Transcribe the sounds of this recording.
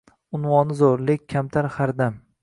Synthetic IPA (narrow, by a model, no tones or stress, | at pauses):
ʊnwɒnɪzoɾlɪkʲʰːamt̪ʰaɾhaɾd̪am